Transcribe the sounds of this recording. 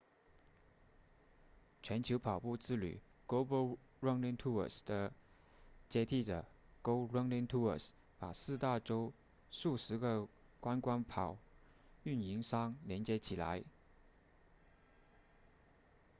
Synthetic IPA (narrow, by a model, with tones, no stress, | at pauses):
t͡ɕʰɥɛ˧˥nt͡ɕʰjo˧˥ʊpʰɑ˨˩ʊpu˥˧t͡sɹ̩˥˩ly̰˨˩ | klo˥ʊbə˥ɻə˥ŋli˥ŋt̪ʰu˥ə̰˨˩sd̪̥ə˨ | t͡ɕjɛ˥t̪ʰi˥˩ʈ͡ʂə˨˩ | ko˥ʊɹə˥ŋli˥ŋt̪ʰu˥ə̰˨˩s | pa˨˩sɹ̩˥˧t̪a˥˩ʈ͡ʂo˥ʊ | ʂu˥˩ʂɻ̩˧˥ɡə˨ | kwa˥nkwa˥npʰɑ˨˩˦ʊ | y˥˩ni˧˥ŋʂɑ˥ŋljɛ˧˥nt͡ɕjɛ˥t͡ɕʰi˨˩la̰˧˥ɪ